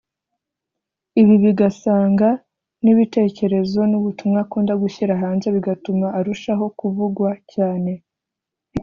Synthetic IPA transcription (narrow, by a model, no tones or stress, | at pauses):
iβiβiɡasaːŋɡa | niβite̞ːce̞ɾe̞zo̞nuβutumŋakuːndaɡuçiɾaɦaːnzeβiɡatumaʔːɾuʃaɦo̞kuvuɡwacaːne̞